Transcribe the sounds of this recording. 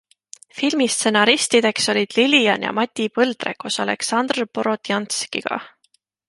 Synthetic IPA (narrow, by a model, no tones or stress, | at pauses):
filmist̪se̞nɑɾist̪id̪̥e̞kso̞lʲid̪̥liliɑnjɑ̰mɑt̪ʲːipɤld̪̥re̞̰kusɑle̞̰ksɑnd̪rpo̞ɾo̞t̪jɑnt̪skḭɡ̥ɑ̰